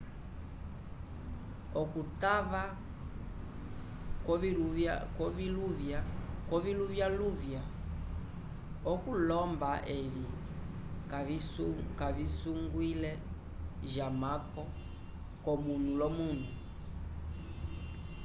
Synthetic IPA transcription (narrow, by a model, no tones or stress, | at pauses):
ɔkutava | iakɔviluvjakɔviluvjaluvja | ɔkulɔmbaʔɛvi | kavisuŋɡwilɛ | ʒamakɔ | kɔmunulɔmun̤u